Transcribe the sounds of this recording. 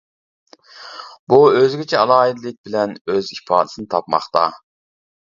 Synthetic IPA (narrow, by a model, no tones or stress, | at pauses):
buøzɡʲɪt͡ʃʰɛɑlˠɑːɦid̪lɪk̚ʲbɪlɛnøzipʰɑ̰ːd̪ɪsɨnɨt̪ʰɑpmɑ̰χt̪ɑ̰